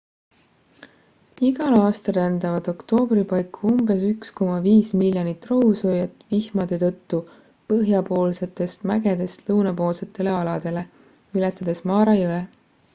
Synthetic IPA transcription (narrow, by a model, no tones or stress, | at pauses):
iɡ̥ɑlɑːst̪ɑɾænd̪ɑvɑd̪̥o̞kt̪o̞ːb̥ripɑjkːuumbe̞syksko̞mɑviːsmiljonit̪ːˑroɦusojet̪ːˑvihmɑd̪̥e̞t̪ɤ̞t̪ːu | pɤɦjɑpo̞ːlse̞t̪ːˑe̞st̪mæɡe̞d̪e̞st̪lɤwnɑpo̞ːlse̞t̪ːˑe̞le̞ɑlɑd̪̥e̞le̞ | ylɛt̪ːˑɑd̪̥e̞smɑːɾɑjɤe